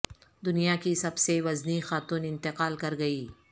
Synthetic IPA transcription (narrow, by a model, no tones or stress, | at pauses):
d̪ʊnijakisɐbseʋɐznixaːt̪uːnɪ̃nt̪ɪqaːlkɐɾɡɐiː